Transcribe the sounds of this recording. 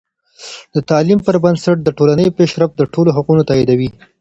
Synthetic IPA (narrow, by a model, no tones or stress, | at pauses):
d̪ət̪ɑlimpəɾbansaʈ̚d̪əʈolanəjopeʃɾafd̪əʈoloɦaqunot̪ɑid̪awi